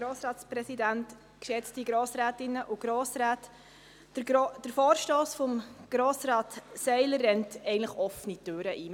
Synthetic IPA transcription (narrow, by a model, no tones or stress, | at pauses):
ɾoːsɾɑːtspɾɛsidænt | kʃɛt͡stiɡɾoːsɾæːtɪnːəʔʊɡ̥ɾoːsɾæːt | d̥əɾfɔːɾʃtoːsfɔmɡ̥ɾoːsɾɑːtsɛɪlərːɛntɛɡən̩tləχɔfənitøːɾəʔiː